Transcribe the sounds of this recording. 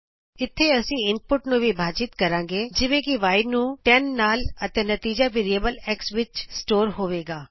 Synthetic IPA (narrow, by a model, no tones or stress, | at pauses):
ɪt̪ʰːeɐsĩːɪn̚pʊʈnũːʋibʱaːt͡ʃɪt̪kɐɾãːŋɡeːd͡ʒɪʋẽːkiʋaːɪnũːʈɛnːaːlət̪eːnət̪iːd͡ʒaʋeːɾiəbəlɛːksʋɪt͡ʃsʈoːɾɦoːʋeːɡaː